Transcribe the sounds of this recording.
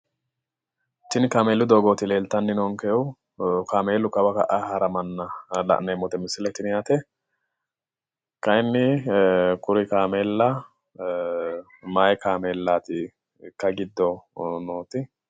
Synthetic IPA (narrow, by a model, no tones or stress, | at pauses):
t͡ʃɪnkaːmeːlːʊd̪oːɡoːt̪ɪle̞ːlt̪ːɐnːɪnoːŋkɛjw | kaːmeːlːʊkɐbɐkɐ̰ʔahɐɾɐmɐnːɐlɐ̰ʔnemːɔt̪ɛmɪsːɪlɛt̪ːɪnjaːt̪ɛ | kɐjɪnːɪ | kʊɾɪkaːmeːlːɐ | maːjɛkaːmeːlːaːt̪ɪ | kːɐɡɪd̪ːɔnoːt̪ɪ